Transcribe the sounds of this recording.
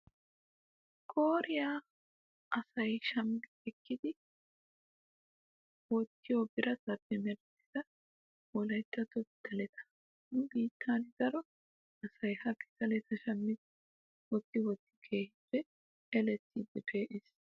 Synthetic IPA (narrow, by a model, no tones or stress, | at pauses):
kʼo̞ːɾɪja | ʔɐsɐjʃɐmbɪɛkːɪd̪ɪ | wɔt̪ːɪjobɪɾɐt̪ɐpːɛmɛɾt̪ːɪ̥d̪ɐ | wɔlɐjt̪ːɐt̪ɔd̪̥ɐlɛt̪ʰɐ̥ | nʊbiːt̪ʰːaːnɪd̪̥ɐɾɔ | ɐsɐjhɐkːɪ̥tɐlɛt̪ɐʃɐmːɪd̪ | wɔt̪ːɪwɔt̪ːɪ̥kʰe̞ːhɪpːɛ | ɛlɛt̪ːid̪ːɛpʰeːʔɪs